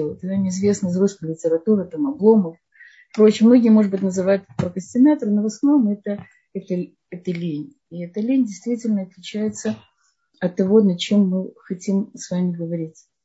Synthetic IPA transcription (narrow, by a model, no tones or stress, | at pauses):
lˠət̪əd̪amʲɪɪzvʲe̞snəzɾuspəlʲɪtʲɪɾɐt̪uɾɨt̪amɐblˠo̞məf | pɾo̞t͡ɕɪmno̞ɡʲɪijmo̞ʐɨd̪bɨtʲnəzɨvajʊt̪ɛt̪pɾəkəsʲtʲɪnat̪əɾɨnovɐsɐvno̞mɛt̪ə | ɛt̪ə | ɛt̪əlʲenʲ | ɪɛt̪əlʲenʲdʲɪjst̪vʲitʲɪlʲnəɐt̪lʲɪt͡ɕæjɪt̪sə | ɐt̪ːɐvo̞nɐt͡ɕe̞mːɨxɐtʲimsvamʲɪɡəvɐɾʲitʲ